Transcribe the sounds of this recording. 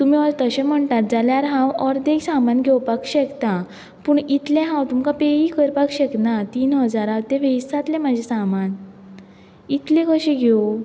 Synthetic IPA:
t̪umiɔɾt̪əɕem̤əɳʈ̪at̪̚d͡zaljaɾɦãwɔɾd̪eɡsamanɡʱewpakɕɛkt̪ã | puːɳit̪lẽɦãwt̪umkapeikəɾpakɕeknat̪iːnɦəd͡zaɾawt̪ẽʋeisat̪lẽmad͡ʑʱesaman | it̪lẽkəɕẽɡʱo

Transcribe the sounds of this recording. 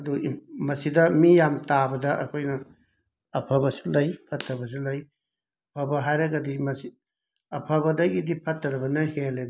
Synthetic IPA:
ɐdumɐsidɐmijamtabɐdɐʔɐkʰojnɐː | pʰɐbɐsi̥lɐjpʰɐtʰːɾɐbɐs̬ulɐj | ɐpʰɐbɐɦajɾɐɡɐdimɐsi | ɐpʰɐbɐdɐɡidipʰɐtːɐɾɐbɐnɐheled

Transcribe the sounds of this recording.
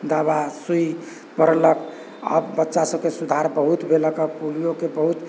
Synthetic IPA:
d̪abasuj | pəɾlək | ə̰bbətːʃasəbkesud̪ʱaɾbəɦut̪bʱeləkəpulijokebəɦut̪

